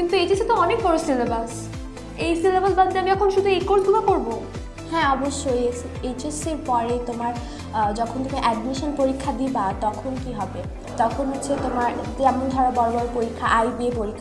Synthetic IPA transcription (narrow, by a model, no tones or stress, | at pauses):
kint̪uet͡ɕesit̪oɔnek̚bɔɾosilabas | ejsilabasbad̪t̪eamiɛkʰonʃud̪ʱuekoɾʈkubakoɾbo | hɛ̃ɔboʃːoesʰeet͡ɕeseɾpɔɾejt̪omaɾ | d͡ʑɔkʰont̪ʰekeʔɛɖmiʃonpoɾikʰːad̪ibat̪ɔkʰonkiɦɔbe | t̪ɔkʰonɦotːɕʰet̪omaɾ | ɛmond̪ʱɔɾabɔɾobɔɾopoɾikʰːaʔajbiepoɾikʰːa